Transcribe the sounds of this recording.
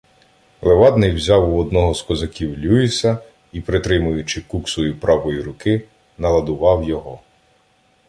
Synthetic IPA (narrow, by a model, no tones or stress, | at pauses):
lˠeʋɑd̪nɪjwzʲɑwuɔd̪nɔɦɔzkɔzɐkʲiwlʲuisɐ | ipɾɪt̪ɾɪmʊjʊt͡ʃɪkuksɔjipɾɑʋɔjiɾʊkɪ | nɐlˠɐd̪ʊʋɑwjɔɦɔ